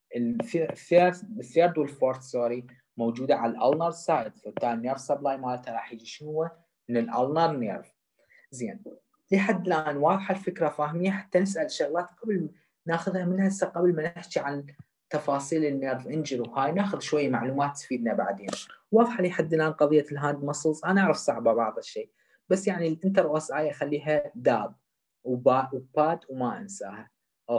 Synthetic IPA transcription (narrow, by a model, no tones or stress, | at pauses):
ʔɪlfeθeːɾθeːɾˤd̪wɪlfoːɾt̪soːɾi | mowd͡ʒuːd̪aʕallʔa̰lnɑɾˤsaːjd̪fʊt̪ːaːneːɾvsablaːjmaːlt̪aɾˤɑːħjiːd͡ʒiʃɪnhʊwːa | mɪnɪlʔa̰lnɑɾˤnḛːɾf | zḛːn | liːħad̪ːɪlʔaːnwɑːðˤħalfɪkɾˤafaːhmɪjːaħḁt̪ːanɪs̬ʔalʃaɣlaːt̪qabl | naːxʊðhamɪnhasaqablmanɪħt͡ʃiʕan | t̪ːɑfɑːsˤiːlɪnːðˤʔɪnd͡ʒɪɾwhaːjnaːxʊðʃwajːamaʕluːmaːt̪sfiːd̪naba̰ʕd̪eːnwɑːðˤħaliħad̪ːɪlʔaːnqɑðˤɨjːalɦaːnd̪mɑsˤusˤʔanaʔaʕɾɑfsˤɑʕbabɑʕðˤɪʃːeː | b̥asːjaʕnilʔɪnt̪ɑɾˤʔasʔaːjʔaxalːiːɦad̪aːb̚ | wbaːʔwbaːd̪wmaʔɪ̰nsa̰ːha | ʔ